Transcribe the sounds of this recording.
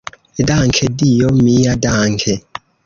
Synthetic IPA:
ɛdaŋkʰɛdijɔmijadaːŋkʰɛ

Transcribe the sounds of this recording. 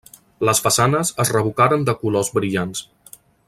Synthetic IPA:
ləsfəsanəzəzrəβ̞ukaɾənd̪əkulɔzbɾiʎans

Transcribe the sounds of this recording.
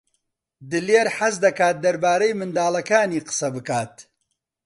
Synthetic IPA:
d̪ɨleːɾħɐzd̪ɐkaːt̪̚d̪ɐɾbaːɾɐjmɨnd̪aːlɐkaːniːqɨ̥sɐbɨkaːt̪

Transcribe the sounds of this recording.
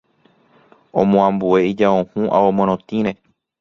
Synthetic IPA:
õmõãmbue̞id͡ʒaõhũʔaomõɾ̃õt̪ĩɾe

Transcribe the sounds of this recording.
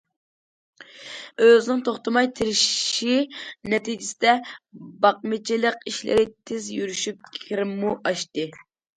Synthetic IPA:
øznɪŋt̪ʰoχt̪ɨmɑjt̪ʰɪɾɪʃʃinɛt̪id͡ʒɪsɪd̪ɛbɑq̚mɪt͡ʃʰilˠəq̚iʃlɪ̰ɾɪt̪ʰɪzjyɾyʃyp̚kʲʰiɾɪmːuʔɑʃt̪ɨ

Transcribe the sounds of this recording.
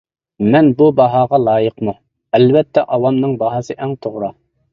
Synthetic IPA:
mɛnbubɑɦɑːʁɑlˠɑːjəqmu | ɛlvɛt̪ʰːɛʔɑwɑmnɨŋbɑɦɑsɨʔɛŋt̪ʰoʁɾɑ

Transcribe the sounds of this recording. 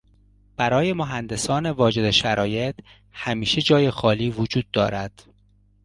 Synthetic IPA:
b̥æɾɒːje̞moɦænd̪e̞sɒːne̞vɒːd͡ʒe̞d̪eʃæɾɒːje̞t̪ | hæmiːʃe̞d͡ʒɒːje̞xɒːliːvod͡ʒuːd̪̚ːɒːɾæd̪̥

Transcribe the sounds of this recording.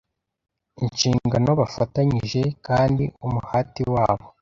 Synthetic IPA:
inʃiːŋɡano̞βafataɲiʒe̞kaːndḭumuhaːtiwaːβo

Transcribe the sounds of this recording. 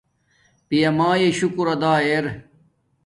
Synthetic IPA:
pijɐmaːjeɕukuɾɐd̪aːeɾ

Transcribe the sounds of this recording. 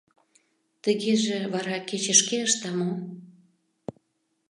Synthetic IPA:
t̪əɣeʒĕβɑɾɑket͡ɕə̆ʃkeəʃt̪ɑmo

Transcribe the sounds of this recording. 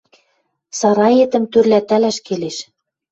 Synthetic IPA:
sɑɾɑjĕt̪ɘ̆mt̪yrlæt̪ælæʃkeleʃ

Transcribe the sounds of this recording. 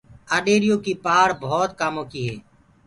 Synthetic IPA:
aːɗeːɾɪjõːkiːpaːɾbɔːt̪kaːmõːkiːɦɛː

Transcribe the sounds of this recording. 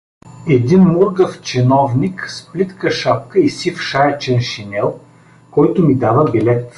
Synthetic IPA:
ɛd̪inmuɾɡɐft͡ʃɛnɔvniksplit̪kəʃap̚kəisifʃaɛt͡ʃɛnʃinɛlˠ | kɔjt̪ʊmid̪avəbilɛt̪

